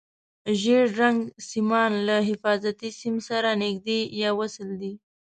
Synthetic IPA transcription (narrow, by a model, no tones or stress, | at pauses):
ʒeɾɾaŋɡsimɑnlaɦɪfɑzat̪isimsaɾanɪɡd̪ejɑwasəld̪i